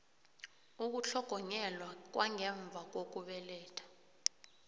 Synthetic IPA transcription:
uk̬uɬʰɔɡ̥ʱɔɲɛlwak̬waŋɛɱb̪vʱak̬ok̬uɓɛlɛːtʰḁ

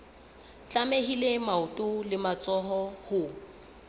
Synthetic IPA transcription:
t͡ɬʼameɦilemaʊtʼʊlɪmat͡sʼɔɦɔhʊ

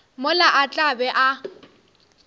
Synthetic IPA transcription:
mʊlaʔat͡ɬʼabɛʔa

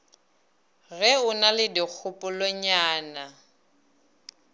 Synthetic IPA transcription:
ɣɛʊnalɪdik͡xʰʊpʼʊlɔɲaːna

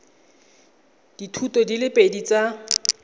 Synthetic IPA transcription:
d̥itʰutɔdilɪpʼedit͡sa

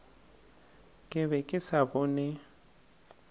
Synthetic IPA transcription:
kʼɪβɛkʼɪsabɔːnɛ

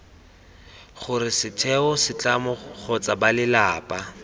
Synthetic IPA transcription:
χʊrɪsɪtʰɛʊsɪt͡ɬʼamʊχʰɔt͡sʼabalɪlaːpʼa

